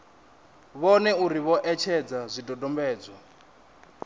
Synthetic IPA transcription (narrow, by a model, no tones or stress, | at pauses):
βɔnɛuɾiβɔʔɛt͡ʃʰɛd͡zazʷidʱɔdɔmbɛːd͡zɔ